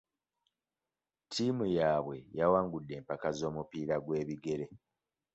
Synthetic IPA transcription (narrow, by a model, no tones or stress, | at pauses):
tʰimujaːβwe̞jawaːŋɡudːe̞ːmpakazo̞ːmupiːɾaɡwe̞ːβiɡe̞ɾe̞